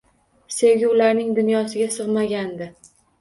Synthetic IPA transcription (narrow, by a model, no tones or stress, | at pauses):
se̞wɡʲɪʊlaɾnɪŋd̪ʊnjɒsɪɡʲasɨʁmaɡʲand̪ɪ